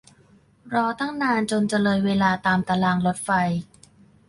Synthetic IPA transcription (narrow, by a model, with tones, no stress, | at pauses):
ɾɔː˧t̪a˥˩ŋnaː˧nt͡ɕo˧nt͡ɕa˧lɤː˧jweː˧laː˧t̪aː˧mt̪aː˧laː˧˩ŋlo˦˥t̪̚fa˧j